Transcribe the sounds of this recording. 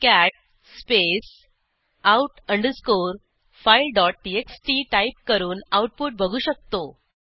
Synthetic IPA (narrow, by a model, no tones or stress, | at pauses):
kæʈ̚ | spes | auʈəɳɖəɾskoɾ | failɖɔʈ̚ʈieksʈiːʈaip̚kəɾuːnawʈ̚puʈ̚bʱəɡʱuːɕək̚t̪o